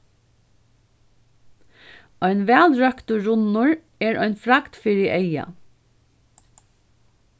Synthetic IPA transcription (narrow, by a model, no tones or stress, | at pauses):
ɔjnʋɛːlɹœkt̪ʊɹʊnʊɹ | ɛɹɔjnfɾakt̪fiːɾɪʔeja̰